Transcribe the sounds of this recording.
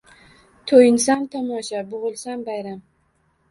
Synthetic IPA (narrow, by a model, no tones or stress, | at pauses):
t̪ʰojɪnsamt̪ʰɒmɒʃabʊʁɨlˠsambajɾam